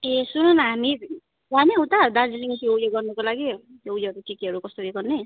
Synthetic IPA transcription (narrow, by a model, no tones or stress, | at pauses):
esununɦami | ɦamiɦʌwt̪ad̪ad͡ziliŋsʰiojoɡʌrnʌkolaɡi | owjoʌɾukikiɦʌɾukʌst̪ojeɡʌrne